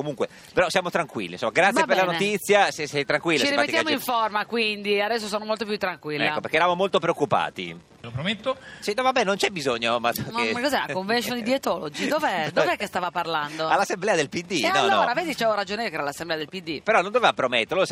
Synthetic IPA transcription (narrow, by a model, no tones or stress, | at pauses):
komuŋkwe | peɾɔsjamot̪ɾaŋkwḭlːḭnsomːaɡɾat̪jpeɾlanot̪it̪sːjasɛsɛjt̪ɾaŋkwilt͡ʃːet͡ʃiɾipaet̪ijamoiɱformakwind̪iad̪ɛsːosoːnomolt̪opjut̪ːɾaŋkwilːɛaːopeɾkeːɾamomolt̪opɾeokːupa̰ːt̪ḭ | lopɾomet̪ːosinɔvabɛnːõnt͡ʃɛbizoɲːomaɔekːozɛlakoɱvenʃond̪iet̪ɔlod͡ʒid̪ovd̪ovɛkːest̪aːvaparland̪oalːasːemblɛːad̪elpid̪ːianɔlɔːɾaveːd̪it͡ʃɛvoɾad͡ʒoneokɛɾalasːemblɛad̪elpid̪ːipeɾɔnond̪ovevapɾomet̪ːeɾlos